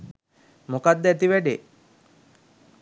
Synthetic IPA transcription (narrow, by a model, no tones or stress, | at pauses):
mokad̪ːəæt̪iʋæɖe